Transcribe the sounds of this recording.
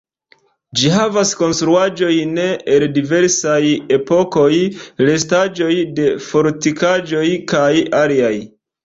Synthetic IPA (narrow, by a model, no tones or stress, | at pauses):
d͡ʒiɦavasko̞nstɾuad͡ʒo̞jne̞eldive̞ɾsaje̞po̞ko̞jle̞s̬tad͡ʒo̞jde̞fo̞ɾtikad͡ʒo̞jkajaliaj